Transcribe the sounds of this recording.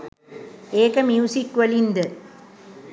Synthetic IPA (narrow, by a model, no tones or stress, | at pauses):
eːkɐmjuːsikːʋɐlind̪ɐ